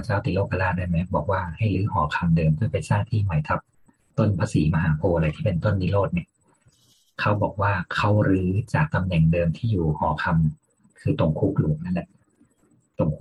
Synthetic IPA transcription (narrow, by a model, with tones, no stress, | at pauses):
a˧t͡ɕaː˥˩wt̪i˧˦loː˥˩ka˧laː˥˩da˥˩jmɛ˦˥k̚bɔː˨˩k̚waː˥˩ha˥˩jlɯː˦˥hɔ̰ː˩˦kʰa˧mdɤː˧mt̪ʰu˥˨jpa˧jsaː˥˩ŋt̪ʰiː˥˩ma˨˩˦jt̪ʰa˦˥p̚ | t̪o˥˩npʰaː˧siː˩˦ma˧ɦaː˩˦pʰoː˧la˨˩jt̪ʰiː˥˩pe˧nt̪o˥˩˨nːiː˦˥loː˥˩t̪̚ni˥˩ɐ | kʰa˦˥wbɔː˨˩k̚waː˥˩kʰa˦˥˩wɾɯː˦˥t͡ɕaː˨˩k̚t̪a˧mnɛ˨˩ŋdɤː˧mt̪ʰiː˥˩juː˨˩hɔ̰ː˩˦kʰa˧m | kʰɯː˧t̪o˨˩ŋkʰuː˦˥k̚lu˨˩əŋ̚na˥˩nlɛ˨˩ʔ | t̪o˨˩ŋʰ